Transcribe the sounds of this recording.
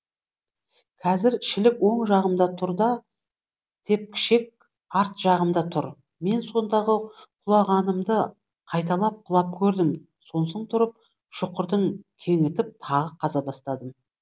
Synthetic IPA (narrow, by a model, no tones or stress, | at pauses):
kʰɑzɪɾʃɪlɪkwo̞ɴʒɑʁəmd̪ɑt̪ʰʊɾd̪ɑ | t̪ʰe̞p̚kʲʰɪ̥ʃe̞k̚ | ɑɾt̪ʒ̥ɑʁəmd̪ɑt̪ʰʊɾ | me̞nso̞nd̪ɑʁəqʰʊlˠɑʁɑnəmd̪ə | qʰɑjt̪ɑlˠɑp̚qʰʊlˠɑp̚kʲʰɵɾd̪ɪm | so̞nsoɴt̪ʰʊɾəp̚ | ʃʊqəɾd̪əŋkʲʰe̞ŋɪt̪ɪp̚t̪ʰɑʁəqʰɑzɑbɑst̪ɑd̪əm